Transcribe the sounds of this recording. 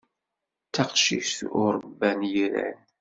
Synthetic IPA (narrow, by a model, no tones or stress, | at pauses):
t̪ːæqʃiçθʊɾˤəbːænjiɾæ̰n